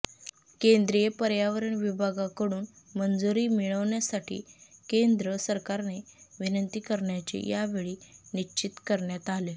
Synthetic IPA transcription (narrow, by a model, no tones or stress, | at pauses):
kend̪ɾijepəɾjaʋəɾəɳʋibʱaɡakəɽuːn | mənd͡zuɾiːmiɭəʋɳjasaʈʰḭːkend̪ɾəsəɾkaɾneʋinənt̪iːkəɾɳjat͡ɕḛjaʋeɭiːnit͡ɕit̪kəɾɳjat̪ale